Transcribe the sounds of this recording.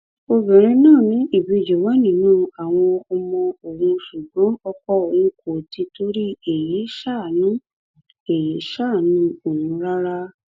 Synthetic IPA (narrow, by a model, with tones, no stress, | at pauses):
o˧bɛ̃˨ɾ̃ɛ̃˧nãː˦˨nĩ˨˦ʔi˦˨bi˨˧˨d͡ʒo˨wa˨˦nĩ˦˨nũː˦˨a˨w̃ɔ̃˧ɔ˧mɔ̃˧o˨ɾũ˧ʃu˨ɡ͡bɔ̃˨˦ɔ˧kɔ˦o˨ũ˧˦ko˨ti˧to˦ɾi˦e˨ji˨˦ʃa˦˨nũ˦ | e˨ji˨˦ʃa˦˨nũ˨˦o˦˨wũ˨˧˦ɾa˦ɾa˦